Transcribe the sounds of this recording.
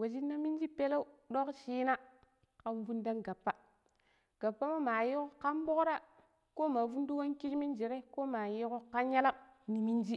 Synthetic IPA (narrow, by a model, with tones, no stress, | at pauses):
wa˨d͡ʒi˦nːa˦mi˦n˦d͡ʒi˦pe˦la˦u˦ɗo˦kʃiː˦na˦ | ka˨mvu˦nda˦nɡa˨pːa˦ | ɡ̥a˨pːa˦ma˦ma˨ji˦ko˦ka˦mbo˦kɾa˦ | ko˦ma˨vu˦ndu˦wa˦nki˦d͡ʒmi˦nd͡ʒi˨ɾe˦ko˦ma˨ji˦ko˦ka˦nja˦la˦ni˨mi˦nd͡ʒi˦